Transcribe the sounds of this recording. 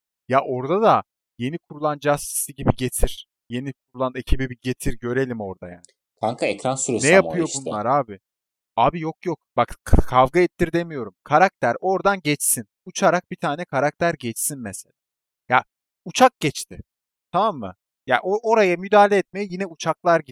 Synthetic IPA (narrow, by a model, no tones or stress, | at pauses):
jaʔo̞ɾd̪ad̪a | je̞nikʰuɾulˠand͡ʒast̪i̥siɟibiɟet̪ʰiɾ̥ | je̞nikʰuɾulˠane̞cʰibibiɟe̞t̪ʰiɾɟø̞ɾe̞lʲimo̞ɾd̪aja̰ːnɪkʰaŋkʰaɛcɾansuɾasnɛjjapʰɯjobunlˠaɾaːbɪ | aːbijokjok̚bakkʰavɡaɛt̪ːiɾd̪e̞mijo̞ɾumkʰaɾak̚t̪ʰæɾo̞ɾd̪anɟɛt͡ʃsin | ut͡ʃʰaɾak̚b̥it̪ʰaːnɛkʰaɾak̚t̪ʰæɾɟɛt͡ʃsinmɛse̞lʲaː | ja | ut͡ʃʰak̚ɟ̥ɛt͡ʃt̪ʰɪ | t̪ʰamamːɯ̰ | jaːʔoʔo̞ɾajamyd̪aːlʲɛːt̪̚me̞jɛjinɛut͡ʃʰak̚lˠaɾɟi